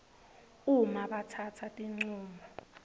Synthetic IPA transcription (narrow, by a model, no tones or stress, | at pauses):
umaɓatʰatʰatʼiŋ͡ǀuːmɔ